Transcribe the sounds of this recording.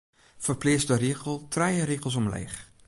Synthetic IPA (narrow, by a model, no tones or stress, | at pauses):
fərplɪːsdəɾiəɣəlˠtʰrɛjəɾeːχəlˠs̬ɔmlḛːχ